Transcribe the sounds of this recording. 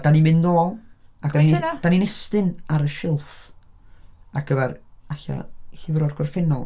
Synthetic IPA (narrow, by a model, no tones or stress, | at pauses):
d̥animɨnnoːlˠḁdanid̥aninɛstɨnaɾəʃɪlˠf | aɡ̥əvɛraɬa̰hivəɾɔrɡɔrfɛnɔlˠ